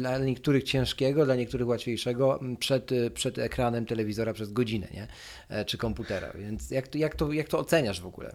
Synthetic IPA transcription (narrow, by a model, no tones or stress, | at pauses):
d̪laɲɛk̚t̪uɾɘxt͡ɕɛ̃ʂkʲɛɡɔd̪laɲɛkt̪uɾɘxwat̪fʲjejʂɛɡɔpʂɛt̪pʂɛd̪ɛkɾanɛmt̪ɛlɛvʲizɔɾapʂɛzɡɔd͡ʑinɛ̰ɲɛ | t͡ʂɘkɔmput̪ɛɾa̰vʲjɛnt̪sjakt̪jakt̪ɔjak̚t̪ɔːt̪sɛɲaʐvɔɡṵlɛ̰